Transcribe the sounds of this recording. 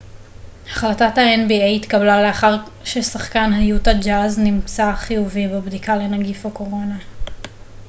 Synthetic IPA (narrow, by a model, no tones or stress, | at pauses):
haχlatathaenbiejitkablaleaχaʁʃesaχkanɦajutad͡ʒaznimt͡saχijuvibebdikale̞naɡifako̞ʁo̞na